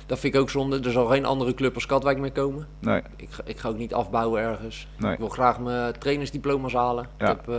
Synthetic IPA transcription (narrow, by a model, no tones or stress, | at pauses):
d̥ɔtfɪ̃nɪkowksɔndədəɹzɑlˠxejnʔɑ̰ndərəkløpɔskɑtʋɛjk̚mɪkowmə | ɪkɪkχaːowk̚nitɑ̰fbawəɛɹɣəns | kʋɪlˠxraːχmətrejnəŋzdiplowmasɦaːləɪkɛp